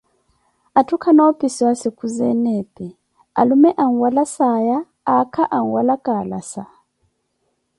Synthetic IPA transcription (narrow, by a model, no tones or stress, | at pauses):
atʰukʰanapʼisiwasekʰuzɛnɛpʼɛ | a̰lumɛʔaŋ̩walasajaː | kʰaʔaŋ̩walakʼala̰sa